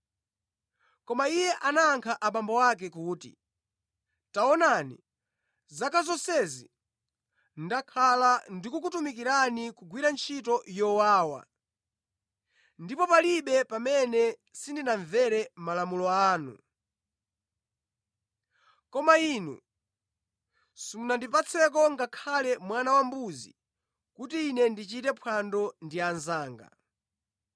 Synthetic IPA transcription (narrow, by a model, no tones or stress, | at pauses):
kɔmaijɛʔanaːŋkʰaʔaɓambɔwak̬ɛkuːtḭ | taɔnanḭ | zakazɔsɛzḭ | ndakʰalandikukutumik̬iɾanikuɡwiɾant͡ʃʰitɔjɔwaːwa̰ | ndipɔpaliɓɛpamɛnɛsindinaɱvɛɾɛmalamulɔaːnṵ | kɔmainṵ | sumunandip̬at͡sʰɛk̬ɔŋɡakʰalɛmwanawambuzi | kutiːnɛndit͡ʃitɛpʰwandɔndianzaːŋɡa̰